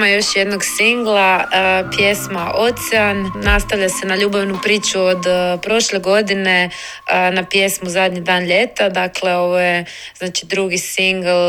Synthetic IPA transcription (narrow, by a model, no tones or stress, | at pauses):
majo̞ʃjed̪no̞ɡsiŋɡlˠapje̞smaʔo̞t̪sɛanːast̪aʋʎase̞naʎuːbaʋnupɾiːt͡ʃuod̪pɾo̞ʃle̞ɡo̞d̪ine̞ | napje̞smuzad̪ɲid̪aːnʎe̞t̪ad̪akle̞o̞ʋojez̥naːt͡ʃi̥d̪ɾuɡisiŋɡl